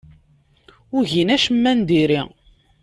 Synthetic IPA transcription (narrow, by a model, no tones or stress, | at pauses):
ʊʝinæʃəmːænd̪iɾḭ